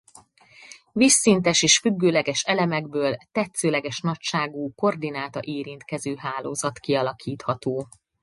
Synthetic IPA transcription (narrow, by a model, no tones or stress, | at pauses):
visːint̪ɛʃeːʃfyɡːøːlɛɡɛʃɛlɛmɛɡbøːlt̪ɛt̪søːlɛɡɛʃnɒcʃaːɡuːko̞rd̪inaːt̪ɒʔeːɾint̪kɛzøːɦaːloːzɒt̪kiɒlɒkʰiːt̪hɒt̪oː